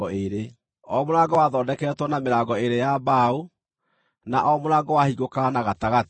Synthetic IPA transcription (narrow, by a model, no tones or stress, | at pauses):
ɔeɾe | ɔmoɾaɡɔwaðɔdɛkɛtwɔnameɾaːɡɔeɾejabao | na̰ʔɔmoɾaɡɔwahiɣokanaɣataɣat